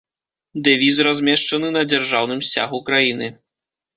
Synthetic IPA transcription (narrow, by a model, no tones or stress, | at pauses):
d̪ɛvʲis̬razʲmʲɛʂt͡ʂɐnɨnɐd͡zʲarʐawnɨmsʲt͡sʲa̰ɣukɾajinɨ